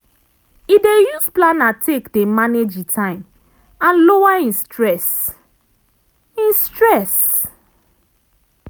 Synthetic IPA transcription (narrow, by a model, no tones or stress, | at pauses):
idejusplãnatʰekdemaned͡ʒĩtʰãɪ̃m | ãnlowaĩnstɹɛs | ĩnstɹɛs